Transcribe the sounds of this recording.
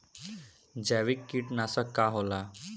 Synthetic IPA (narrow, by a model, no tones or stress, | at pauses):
d͡ʑaʋikːiʈnasəkːaɦola